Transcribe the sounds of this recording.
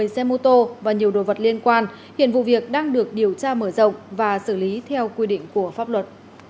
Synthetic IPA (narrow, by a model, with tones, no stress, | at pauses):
ə˨˩jsɛ˧mo˧t̪o˧vaː˨˩ɲi˨˩əwɗo̰˨˩və˨˩t̚li˧ənkwaː˧n | hḭ˧˨ənvṵ˧˨vi˨˩ək̚ɗaː˧ŋɗɨ˨˩ək̚ɗi˨˩əwt͡ɕaː˧məː˧˩zə̰˧˨wŋ͡mvaː˨˩sɨ˧˩li˨˦t̪ʰɛ˧wkwi˧ɗḭ̈˧˨ŋ̟ku˧˩əfaː˦˥p̚lwə˨˩t̚